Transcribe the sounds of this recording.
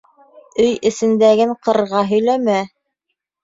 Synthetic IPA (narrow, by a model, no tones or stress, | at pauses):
ɵjɘ̆sɘ̆nd̪æɡɘɴqɤ̆ɾʁɑɦɵ̆jlæmæ